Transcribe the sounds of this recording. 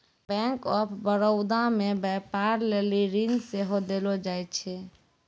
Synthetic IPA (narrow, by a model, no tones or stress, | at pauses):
bɛ̃ŋkɔpʰbəɾəʊd̪amebɛpaɾleliɾinseɦod̪elod͡ʒaj̪t͡ʃʰɛ